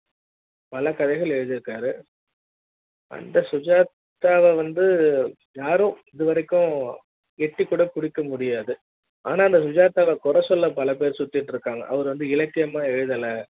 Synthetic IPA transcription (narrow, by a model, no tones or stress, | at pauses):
pɐlɐkɐðɐɪɣɐɭɛɻɯðɯɾɯkːaːɾɯ | ʔɐ̰nd̪ɐsʊd͡ʒaːt̪ː | aːʋɐʋɐnd̪ɯ | jaːɾʊ̃ɪðɯʋɐɾɐkːʊ̃ | ɛʈːikːuːɽɐpʊɽɪkːɐmʊɽɪjaːðɯ | ʔa̰ːnaːɪnd̪ɐs̬ʊd͡ʒaːt̪ːaːʋɐkʊɾɐsɔlːɐpɐlɐpeːɾsʊt̪ːɪʈːɾɯkːaːŋɡɐ̰ʔɐ̰ʋɐɾɯʋɐnd̪ɯɪlɐkːɪjɐmaːɛɻɯðɐlɐ